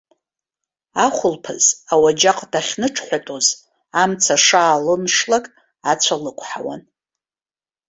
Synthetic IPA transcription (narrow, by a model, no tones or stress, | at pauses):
aχʷʊlpʰɨz̥awad͡ʒaqʼdaχʲnɨʈ͡ʂʰħʷatʼoz | amt͡sʰaʂaːlɨmʂlakʼ | at͡sʷʰalɨkʷʰʼħa̰wa̰n